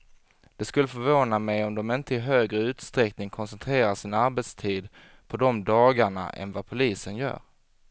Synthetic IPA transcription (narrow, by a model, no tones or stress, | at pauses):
d̪̥ɛskɵlːəfœɾvoːnamɛjɔmd̪ɔmɪnt̪əɪɦøːɡɾəʉ̟ːt̪st̪ɾɛknɪŋkʰɔnsɛnt̪ʰɾeːɾaʂɪnaɾbɛt̪st̪ʰiːd̪ | pʰɔd̪ɔmd̪ɑːɡaɳa̰ʔɛ̰nvapʰʊliːsənjœ̰ːɾ